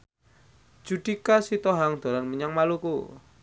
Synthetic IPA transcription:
d͡ʒ̥uɖ̪̥ikasit̪ɔɦaŋd̪̥o̤ɾanməɲaŋmaluku

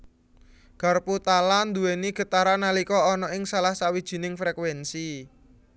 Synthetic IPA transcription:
ɡ̥a̤rput̪aland̪uweniɡ̥ə̤t̪aɾanalikɔːnɔɪŋsalahsawid̥ʒ̥i̤nɪŋfɾɛkwɛnsi

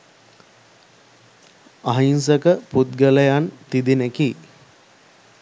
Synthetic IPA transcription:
aɦinsəkəput̪̚ɡələjant̪id̪ineki

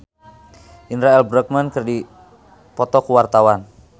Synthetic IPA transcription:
ʔinɾaɛlbɾək̚mənkɨrdi | pɔt̪ɔkuwart̪awan

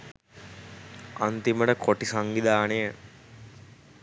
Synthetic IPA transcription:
ant̪iməʈəkʰoʈisaŋɡid̪aːne

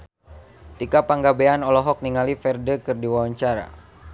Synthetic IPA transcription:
t̪ikapaŋɡabeanɔlɔɦɔk̚niŋalifɛrdəkɨrdiwawaɲt͡ʃaɾa̰

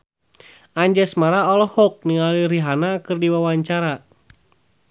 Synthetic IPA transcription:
aɲd͡ʒɛsmaɾaɔlɔhɔk̚niŋaliɾiɦanakɨrdiwawaɲt͡ʃaɾa

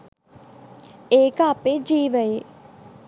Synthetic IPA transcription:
eːkəːped͡ʒiːʋəje

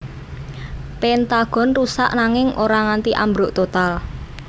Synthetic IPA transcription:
pent̪aɡ̥ɔ̤nrusa̰ʔnaŋɪŋʔoɾaŋant̪iʔambɾʊʔt̪ot̪al

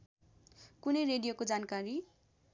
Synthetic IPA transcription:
kunʌjɾeɖijokod͡zankaɾi

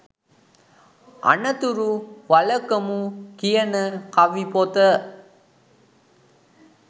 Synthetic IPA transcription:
ʔɐ̰ɳɐt̪uɾuʋɐlɐkːɐmukɪjɐnɐkɐʋipoːt̪ɐ

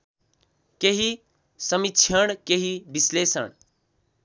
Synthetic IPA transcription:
keɦi | səmitːt͡ʃʰəɽ̃keɦibislesə̰ɽ̃

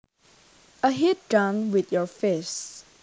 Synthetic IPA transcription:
əɦit̚dãnwɪtjɔfes

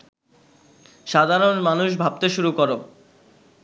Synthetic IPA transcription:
ʃad̪ʱaɾonmanuʃ̬bʱab̚t̪eʃuɾukoɾo

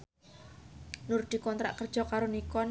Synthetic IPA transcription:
nurd̪̥i̤kɔnt̪ɾa̰ʔkərd̥ʒ̥ɔ̤kaɾonikɔn

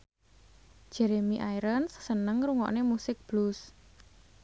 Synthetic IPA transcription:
ʒ̥ɛɾemiʔajɾənssənəŋɾuŋɔ̰ʔnemusɪk̚b̥lus

